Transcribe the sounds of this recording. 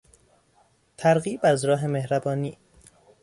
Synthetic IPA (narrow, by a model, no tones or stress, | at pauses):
t̪ʰæɾɣiːbæzɾɒːɦe̞me̞hɾæbɒːniː